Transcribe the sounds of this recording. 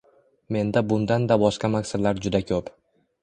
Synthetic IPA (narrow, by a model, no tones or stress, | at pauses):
me̞nd̪abʊnd̪and̪abɒʃqamaksad̪laɾd͡ʒʊd̪akʲʰɵp